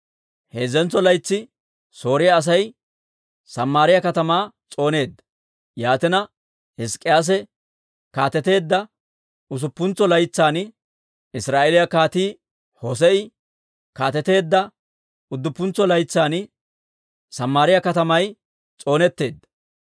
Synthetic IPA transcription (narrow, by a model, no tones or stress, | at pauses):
heːzɛnt͡sːɔlɐjt͡sːɪ | so̞ːɾɪjɐːs̬ɐj | sɐmːaːɾɪjɐkɐt̪ɐmaː | t͡sʼo̞ːne̞ːd̪ːɐ̥ | jaːt̪ɛnɐ | hɪskʼːɪjaːs̬ɛ | kaːt̪ɛt̪e̞ːd̪ːɐ | ʊs̬ʊpːʊnt͡sːɔlɐjt͡sːaːn | ɪsɾaːʔelɪjɐkaːt̪iː | hos̬ɛɪ | kaːt̪ɛt̪e̞ːd̪ːɐ | ʊd̪ːʊpːʊnt͡sːɔlɐjt͡sːaːn | sɐmːaːɾɪjɐkɐt̪ɐmɐj | t͡sʼo̞ːnɛt̪ːe̞ːd̪ːɐ̥